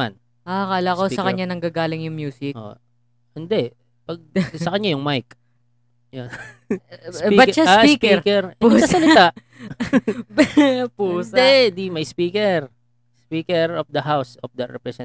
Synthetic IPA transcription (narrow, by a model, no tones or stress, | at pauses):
a̰n | ʔakaːlakosɐkɐɲɲːanɐŋɡaɡaːlɪŋjʊŋmjuːsɪkʔo̰ | hɪnd̪ɛ | pɐɡ̚sɐkɐɲɲajʊŋmajk | jon | bɐʃasapiːkɛkɛɾusaɐlɪt̪aʔ | pund̪ɛd̪imɐjspiːkɛɹ | spiːkɛɾofd̪ɐhawsɔfd̪ɐɾɛpɾɛsɛ